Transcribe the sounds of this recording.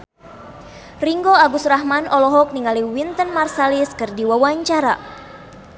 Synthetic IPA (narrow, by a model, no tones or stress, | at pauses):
riŋɡoaɡusraɦmanʔɔlɔɦɔk̚niŋaliwint̪ənmarsaliskɨrdiwawaɲt͡ʃaɾa